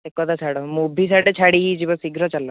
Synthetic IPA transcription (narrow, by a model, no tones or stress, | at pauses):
ekɔd̪at͡ʃʰaɽɔmubʱis̬aʈet͡ʃʰaɽiid͡ʒibɔsiɡʱɾɔt͡ʃalɔ